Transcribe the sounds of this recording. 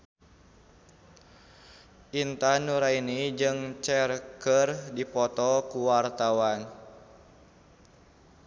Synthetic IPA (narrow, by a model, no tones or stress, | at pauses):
ʔint̪anuɾainid͡ʒɨŋt͡ʃɛrkərdipɔt̪ɔkuwart̪awan